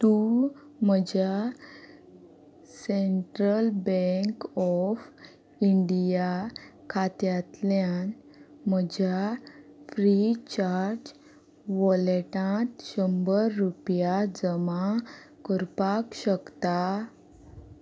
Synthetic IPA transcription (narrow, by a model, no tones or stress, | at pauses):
t̪u | məd͡ʑja | seɳʈɾəlbeŋkɔf | iɳɖijakʰat̪jat̪ljan | m̤əd͡ʑjafɾit͡ɕaɾd͡ʑ | ʋɔleʈãt̪ɕəmbəɾːupjad͡zəma | kəɾpakɕəkt̪a